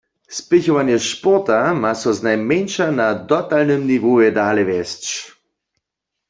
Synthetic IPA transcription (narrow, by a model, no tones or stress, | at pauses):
spɪçɔʋanjɛʃpɔʁt̪amasɔznajmɛnʃanad̪ɔt̪alnəmniʋoɛd̪aːlɛʋɛst͡ʃ